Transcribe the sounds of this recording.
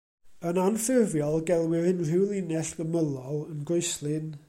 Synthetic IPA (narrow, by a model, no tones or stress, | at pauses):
ənanfɪrvjɔlˠɡɛlˠwɪrɨnr̥ɪwlˠinɛɬɡ̥əməlˠɔlˠənɡojslˠɨn